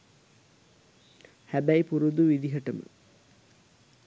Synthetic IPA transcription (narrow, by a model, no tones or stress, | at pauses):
hæbæjpuɾud̪uʋid̪iɦɐʈɐmə̰